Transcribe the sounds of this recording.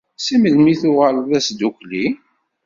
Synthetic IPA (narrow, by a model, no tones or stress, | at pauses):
sæməlmiθʊʁəlðæsd̪ukʷli